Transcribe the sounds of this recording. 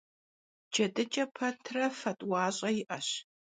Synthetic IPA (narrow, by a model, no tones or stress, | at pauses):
d͡ʒʰɐdɨt͡ʃʼɐpʰɐtʰrɐfɐtʼwaːɕʼɐjɪʔɐɕ